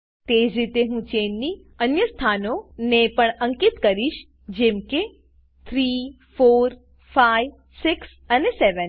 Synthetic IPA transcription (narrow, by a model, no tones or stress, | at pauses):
t̪ed͡ʒɾit̪eɦũt͡ʃenːi | ənjəst̪ʰanonepəɳəŋkit̪kəɾiʃ | d͡ʒemke | t̪ʰɾi | foːɾ | fajʋ | sɪks | əneseʋən